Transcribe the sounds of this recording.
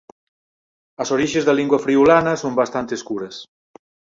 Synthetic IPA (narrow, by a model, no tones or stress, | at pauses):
ɐsoɾiʒezðaliŋɡwɐfɾiulanɐsombast̪ant̪eskuɾɐs